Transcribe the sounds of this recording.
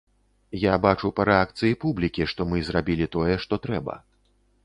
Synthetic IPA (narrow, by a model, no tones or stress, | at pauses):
jabat͡ʂupɐɾɛak̚t̪sɨjipublʲikʲiʂt̪ɔmɨzɾabʲilʲit̪ɔjɛʂt̪ɔt̪ɾɛbɐ̰